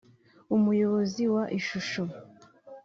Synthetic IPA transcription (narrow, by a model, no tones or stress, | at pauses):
umujo̞βo̞ziwaʔiʃuʃo